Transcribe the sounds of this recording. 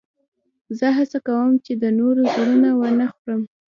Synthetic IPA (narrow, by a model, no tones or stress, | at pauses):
zəɦasakawəmt͡ʃed̪ənoɾozoɾunawənaxoɾəm